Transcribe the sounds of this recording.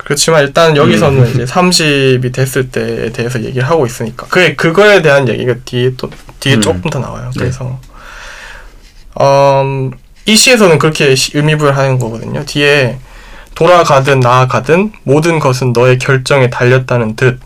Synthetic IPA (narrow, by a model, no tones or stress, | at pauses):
kɯɾʌt͡ɕʰimaniɭt͈annjʌɡisʰʌnɯnid͡ʑe̞sʰamɕʰibitwe̞s͈ɯɭt͈e̞ḛte̞ɦes̬ʰʌje̞̰ɡiɾɯɭɦaɡois͈ɯɲik͈ḁkɯe̞kɯɡʌe̞te̞ɦanje̞̰ɡḭɡatiet͈otɥiet͡ɕ͈ok͈̚ɯmtʰʌna̰wa̰jokɯɾe̞sʰʌ | ʌm | iɕʰie̞sʰʌnɯnkɯɾʌkʰe̞ɕɯmibuɯɾɯɭɦanɯnɡʌɡʌdɯ̰ɲotie̞ | toɾaɡadɯnːaɡadɯnmodɯnɡʌs̬ʰɯnːʌe̞kjʌɭt͡ɕ͈ʌŋe̞taʎːʌt̚t͈anɯntɯt̚